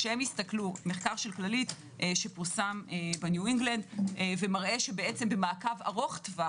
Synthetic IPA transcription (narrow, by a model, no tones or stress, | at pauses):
ʃehemjist̪aklume̞χkaʁʃe̞lklalit | ʔʃe̞puʁsamebenjuiŋɡland̪ve̞maʁʔe̞ʃe̞beet͡sembe̞maːkava̰ʁo̞χt̪va